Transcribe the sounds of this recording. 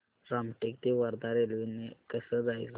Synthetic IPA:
ɾamʈik̚t̪iʋəɾd̪aɾelʋinekəsəd͡zajt͡s

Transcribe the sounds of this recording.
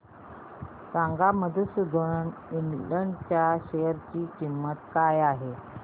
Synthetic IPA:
saŋɡaməd̪ʱusd̪ʱoɳəninləɳɖt͡ɕjaɕejəɾt͡ɕiːt͡ɕimːət̪kajaɦe

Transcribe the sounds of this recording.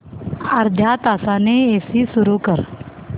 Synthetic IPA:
ɐɾd̪ʱjaːt̪aːsaːneesisʊɾukəɾ

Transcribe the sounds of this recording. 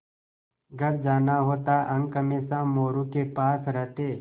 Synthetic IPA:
ɡəɾd͡ʒaːnaɦoːt̪aʔə̃ŋɡkəmeːsãmoːɾũkepaːsɾəɦt̪eː

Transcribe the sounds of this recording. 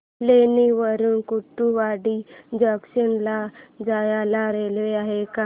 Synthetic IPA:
leniʋəɾuːnkuʈːuʋaɽid͡ʒəksənlad͡ʒajalaɾelʋeaɦeka

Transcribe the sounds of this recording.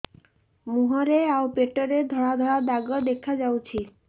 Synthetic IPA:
muɦɔɾeawpeʈɔɾed̪ʱɔɽad̪ʱɔɽad̪aɡɔd̪ekʰad͡ʒawt͡ʃʰi

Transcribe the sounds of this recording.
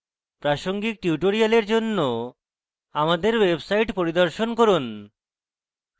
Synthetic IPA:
pɾaʃoŋɡik̚ʈiuʈoɾialeɾd͡ʑonːo | amad̪eɾwebsajʈpoɾid̪oɾʃonkoɾun

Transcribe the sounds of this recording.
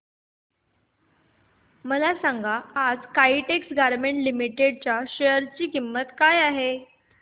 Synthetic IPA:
məlasaŋɡaad͡zkaiʈeksɡaɾmeɳʈlimiʈeɽt͡ɕjaɕejəɾt͡ɕiːkimːət̪kajaɦe

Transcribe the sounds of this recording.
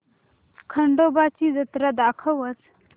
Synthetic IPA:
kʰɐɳɖobaːt͡ʃʰizɐt̪ɾad̪aːkʰɐʋɐt͡s

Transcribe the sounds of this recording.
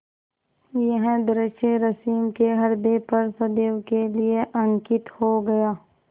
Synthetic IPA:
jɐɦɛ̃d̪ɾɪʃeɾɐsiːmkeɦɐɾd̪epɐɾsɐd̪eːʋkelieʔɐ̃ŋkɪt̪hoɡɐjaː

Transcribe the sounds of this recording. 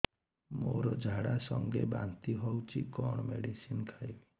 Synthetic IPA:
moɾɔd͡ʒʱaɽasɔŋɡebant̪iɦɔwt͡ʃʰikɔɳ̃meɽisinkʰajli

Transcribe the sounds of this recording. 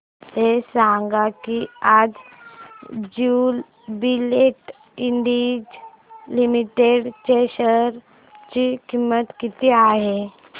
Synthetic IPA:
t̪esãŋɡakiad͡z | d͡ʑul | bileʈ | iɳɖid͡ʑ | limiʈeɽt͡ɕeɕəɾ | t͡ɕikimːət̪kit̪iaɦe

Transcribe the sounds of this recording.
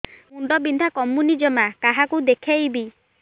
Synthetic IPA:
uɳɖɔbind̪ʱakɔmːunid͡ʒɔmakaɦakud̪ekʰajbi

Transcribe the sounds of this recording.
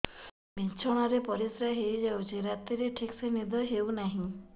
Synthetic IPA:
bint͡ʃʰɔɽ̃ɔɾepɔɾisɾaɦejd͡ʒawt͡ʃʰiɾat̪iɾeʈʰiksenid̪ʱɔɦewnaɦĩ

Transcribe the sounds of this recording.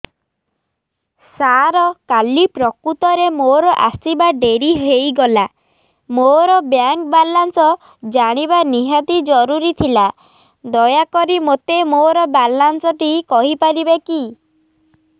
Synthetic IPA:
saɾɔkalipɾɔkut̪ɔɾemoɾɔʔasibaɖeɾiɦejɡɔla | moɾɔbjaŋk̚balansɔ | d͡ʒaɽ̃ibaniɦat̪id͡ʒɔɾuɾit̪ʰila | d̪ɔjakɔɾimot̪emoɾɔbalansɔʈikɔɦipaɾibeki

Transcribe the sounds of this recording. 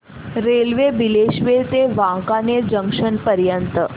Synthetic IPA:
ɾelʋebileʃʋet̪eʋãkaned͡ʒəŋkʂənpəɾjənt̪ə

